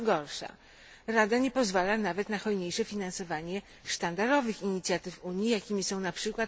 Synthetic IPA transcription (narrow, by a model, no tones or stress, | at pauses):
ɡɔɾʂa̰ | ɾad̪aɲɛpɔzvalanavɛt̪naxɔjɲejʂɛfʲinansɔvaɲɛ | ʂt̪and̪aɾɔvɘxiɲit̪sʲjat̪ɘfuɲjijakʲimʲisɔ̃w̃napʂɘkwat̪